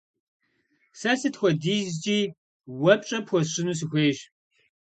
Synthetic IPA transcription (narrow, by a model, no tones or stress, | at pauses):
sɐsɨtxʷɔdiːzt͡ʃʼiː | wɐpʼt͡ʃʼɐpʰxʷɔɕɪnuːs̬ɨxʷeːʒ